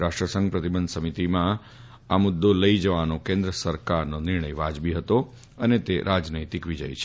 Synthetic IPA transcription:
ɾaʂʈɾəsə̃ŋɡ̚pɾət̪ibənd̪səmit̪imã | amʊd̪ːoləid͡ʒəʋanokẽnd̪ɾəsəɾkaɾnonɪɾɳəjʋad͡ʒbiɦət̪o | ənet̪eɾʔad͡ʒnəjt̪ikʋid͡ʒa̰jt͡ʃʰe̥

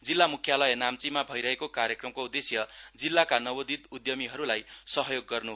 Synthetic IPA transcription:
d͡zilːamukʰjalʌjenamt͡simabʱʌjɾʌɦekokaɾjekrʌmkoud̪esjʌd͡zilːakanʌbʌd̪it̪ud̪jʌmiɦʌɾulajsʌɦʌjoɡːʌrnu

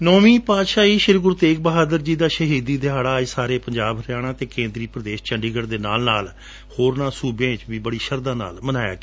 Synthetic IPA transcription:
nɔːmĩːpaːt̪ʃaːiːʃɪɾɡʊɾt̪eːk̚bəɦaːd̪əɾd͡ʒiːd̪aːʃəɦiːd̪iːd̪ɪɦaːɽaːsaːɾeːpəɲd͡ʒaːbɦəɾjaːɽ̃ãːt̪eːkẽːnd̪ɾiːpɾəd̪eːʃt͡ʃəɳɖiːɡəɾd̪eːna̰ːlnaːl | hoːɾnãːsuːbjãːt͡ʃʋiːbəɽiːʃəɾd̪aːna̰ːlmənaːja̰ːkː

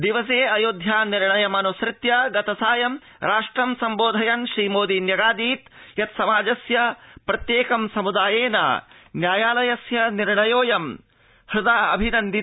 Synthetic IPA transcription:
d̪iʋɐs̬eːɐjoːd̪ʱjaːniɾɳɐjɐmɐnusɾɪt̪jɐɡɐt̪ɐsaːjɐm | ɾʔaːʂʈɾɐmsɐmboːd̪ʱɐjɐnʃɾiːmoːd̪injɐɡaːd̪iːt̪jɐt̪sɐmaːd͡ʒɐsjɐpɾɐt̪jeːkɐmsɐmud̪aːjeːnɐ̰njaːjaːlɐjɐsjɐniɾɳɐjoːjɐm | hɾud̪aːɐ̰bʱinɐnd̪i

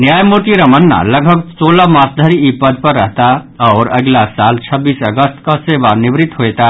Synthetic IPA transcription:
njaːjmoʈiɾɐmənːa̰lɐɡʱbʱəɡsoːlamaːsd̪ʱəɾiipːəd̪̚pɐɾːə̰ɦt̪aɔːɾɐ̰ɡlasaːlt͡ʃʰəbiːsəɡəst̪kaseːʋanɪʋɾɪt̪ɦoɛt̪a

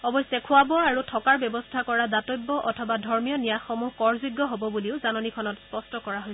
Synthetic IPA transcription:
ɔbɔjsɛkʰʊwabɔaɹutʰɔkaɹbjɔbɔstʰakɔɹadatojbɔʔɔtʰɔbadʱɔɹmijɔnijaxɔmuɦkɔɹzuɡːɔɦobɔbuliʊzanɔnikʰɔnɔtspɔstɔkɔɹaɦoj

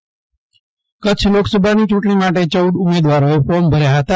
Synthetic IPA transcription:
kət͡ʃʰloksəbʱanit͡ʃũʈɳ̃imaʈet͡ʃəwɖʊmed̪ʋaɾoepɔɾmbʱəɾjaɦət̪a

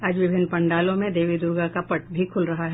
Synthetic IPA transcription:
aːd͡ʒʋɪbʱɪnːpɐ̃ɳɖaːlõmẽd̪eːʋid̪ʊɾɡakapɐʈbʱikʰʊlɾɐɦaɦɛ

